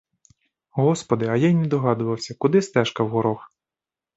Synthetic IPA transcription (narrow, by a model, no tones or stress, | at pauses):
ɦɔspɔd̪ɪɐjɑjnʲɛd̪ɔɦɑd̪ʊʋɐwsʲɐkʊd̪ɪst̪ɛʃkɐwɦɔɾɔx